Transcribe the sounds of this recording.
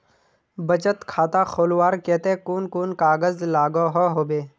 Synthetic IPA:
bət͡ʃət̪kʰaːt̪axoːlwaːɾkɛːt̪ẽkuːnkuːnkaːɡəzlaːɡoɦoɦoːbeː

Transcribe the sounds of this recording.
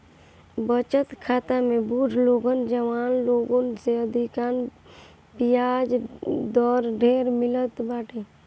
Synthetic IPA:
bət͡ʃət̪kʰaːt̪amẽbuʈloːɡənd͡ʒəʋaːnloːɡonseəd̪ʱikaːn | pijad͡ʒd̪ɔːɾɖʱeːɾmɪlət̪baːʈʰe

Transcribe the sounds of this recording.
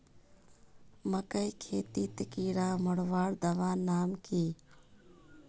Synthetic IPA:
məkəjkʰeːt̪iːt̪ɪkiːɽaːmʊɽʋaːɽd̪ɐʋaːnaːmkiː

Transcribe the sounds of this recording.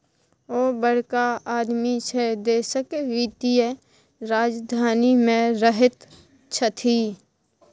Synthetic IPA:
oːbəɽ̤kaaːd̪miʃed̪eːsəkeʋiːt̪ie | ɾaːd͡ʒd̪ʱaːnimẽɾəɦət̪ | t͡ʃʰət̪ʰiː

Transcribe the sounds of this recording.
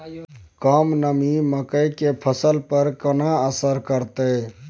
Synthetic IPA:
kəmnəmiməkəjkepʰəsəlpəɾkənaəsəɾkəɾt̪ə

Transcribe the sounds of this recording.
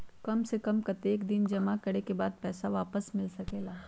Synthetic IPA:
kɐmsekɐmkɐt̪eːkd̪ɪnd͡ʒɐmakɐɽekebaːd̪̚pɛːsaʋaːpəsmɪlsɐkeːlaː

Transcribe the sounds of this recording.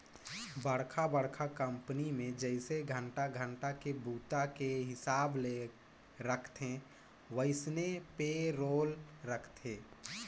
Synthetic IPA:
bəɽkʰabəɽkʰakə̃mpnimẽd͡ʒəɪseɡʱə̃ɳʈaɡʱə̃ɳʈakebuːt̪akeɦɪsaːble | ɾəkʰt̪ẽ | ʋəɪsnepeɾoːlɾəkʰt̪ʰeː

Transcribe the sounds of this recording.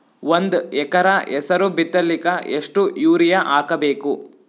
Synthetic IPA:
ʋond̪ɛkɐɾɐʔɛsɐɾubit̪ːɐlːikɐeʂʈujuːɾijɐʔaːkɐbeːku

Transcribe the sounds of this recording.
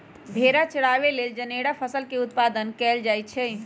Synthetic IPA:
bʱeɾat͡ʃəɽaʋeleld͡ʒəneɽapʰəsəlkeut̪̚pad̪ənkɛld͡ʒajt͡ʃʰɛ

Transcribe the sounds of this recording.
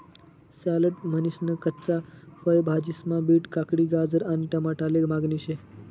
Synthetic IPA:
saləʈmənisnəkətːt͡safəjbʱad͡ʑismãbiːʈkakɽiːɡad͡zəɾaniʈəmaʈaleɡmaɡniɕe

